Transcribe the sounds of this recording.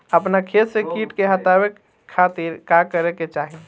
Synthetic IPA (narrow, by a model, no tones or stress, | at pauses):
əpnakʰet̪sekiʈkeɦət̪abekʰː | at̪iɾkakəɾeket͡ʃaɦi